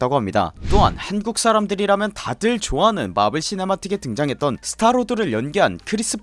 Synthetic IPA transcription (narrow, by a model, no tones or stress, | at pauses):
t͈aɡoɦamɲida̰t͈oa̰nhanɡuk̚s͈aɾamdɯɾiɾamjʌntadɯɭt͡ɕoanɯnma̰bɯɭɕ͈ʰine̞matʰɯɡetɯŋd͡ʑaŋɦe̞t̚t͈ʌnsʰɯ̥tʰaɾodɯɾɯɭjʌnɡiɦankʰɯɾis͈ɯp